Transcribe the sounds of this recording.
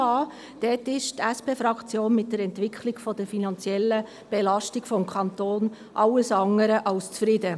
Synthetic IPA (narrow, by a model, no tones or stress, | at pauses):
ɑː | d̥ɛtɪʃtæspeːfɾɑkt͡sjoːnmɪt̚dəɾɛntvɪkʰlɪɡ̥fɔd̥əɾfinɑnt͡sjɛlːə | b̥ɛlɑʃtɪɡ̥fɔmkʰɑnt̪oːn | ʔɑlːəsɑŋəɾəʔɑlst͡sfɾɪdə